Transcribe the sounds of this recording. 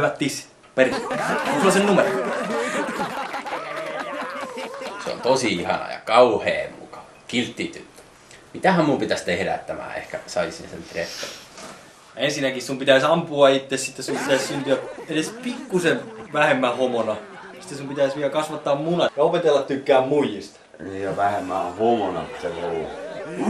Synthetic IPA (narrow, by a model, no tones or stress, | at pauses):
ʋæt̪t̪is | perisulɑsennumero | sḛo̰nt̪osiihɑ̰nɑ̰jɑ̰kɑuhḛːmmukɑ̥ʋɑkilt̪ːit̪yt̪ːø̥ | mit̪æhæmmumpit̪æst̪ːeheræ̰t̪ːæmæ̰ːḛhkæsɑisḭnsḛnt̪repːo̰r | jɑensinːækissumpit̪æisɑmpuɑit̪ːessit̪ːessumpit̪æssynt̪yæedespikːuseʋʋæhemːæhomonɑ | si̥t̪ːesumpit̪æisʋiælkɑsʋɑt̪ːɑːmmunɑjɑopet̪elːɑt̪t̪ykːæːmmujist̪ | nijɑʋæhemːæhomonɑ̰pi̥t̪erolːɑ̰